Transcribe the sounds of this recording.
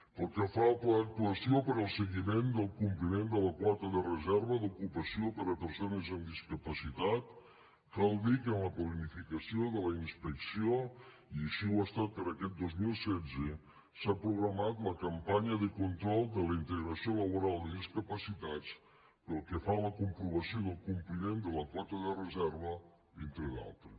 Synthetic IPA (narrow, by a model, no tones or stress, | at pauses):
pəlˠkɛfat̪lːk̚t̪uəsiopəɾəlˠsəɣimend̪əlˠkumplimend̪ələkwaɾt̪əðərəzɛɾβəðukupəsiopəɾəpəɾsonəzəmd̪iskəpəsit̪at̪ | kalˠd̪ikənləplənifikəsioðələinspəksio | iəʃiwast̪at̪̚pəɾəkɛt̪̚d̪ozmilˠsɛd͡zə | sapɾuɣɾəmat̪ləkəmpaɲəðəkunt̪ɾɔlˠd̪ələint̪əɣɾəsioləβ̞uɾalˠd̪əðiskəpəsit̪at͡s | pəlˠkəfaləkumpɾuβəsioðəlˠkumplimend̪ələkɔt̪əðərəzɛɾβə | int̪ɾəða̰lˠt̪ɾə